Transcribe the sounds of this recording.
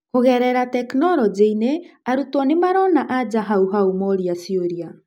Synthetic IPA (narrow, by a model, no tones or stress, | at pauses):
hoɣɛɾɛɾatɛknɔɾɔd͡ʒeineaɾutɔnemaɾɔnaʔad͡ʒaɦauɦaumɔɾiasioɾia